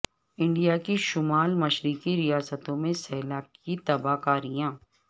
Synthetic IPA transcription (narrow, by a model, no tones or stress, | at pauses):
ɪ̃ɳɖijakiʃʊmaːlmɐʃɾikiɾijaːsət̪õmẽsɛɦlaːkkit̪ɐbaːkaːɾijãː